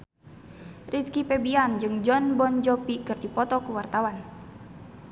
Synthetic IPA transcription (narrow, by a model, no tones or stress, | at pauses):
rʔitkipɛbiand͡ʒɨŋd͡ʒɔnbɔnd͡ʒɔpikɨrdipɔt̪ɔkuwart̪awan